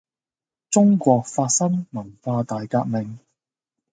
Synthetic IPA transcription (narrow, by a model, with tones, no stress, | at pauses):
t͡sʊ˥ŋkʷɔː˧k̚faː˧t̚sɐ˥ŋmɐ˨˩nfaː˧t̪aː˨jkaː˧k̚mɪ˨˩ŋ